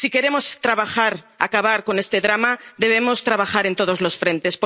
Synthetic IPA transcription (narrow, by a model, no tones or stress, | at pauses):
sike̞ɾe̞mo̞st̪ɾaβaxaɾ | a̰kaβ̞aɾko̞ne̞st̪e̞ðɾamad̪e̞β̞e̞mo̞st̪ɾaβaxaɾe̞nt̪o̞ð̞ozlo̞sfɾẽ̞nt̪e̞sp